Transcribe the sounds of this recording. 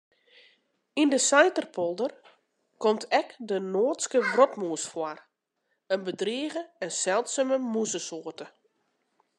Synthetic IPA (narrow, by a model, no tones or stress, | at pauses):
indəsajtərpʰɔlˠdər | kɔmtʰɛkdənoːtskəʋrɔtmuəsfwar | ənbədriəɣəɛnsɛlˠtsəməmusəsoːtə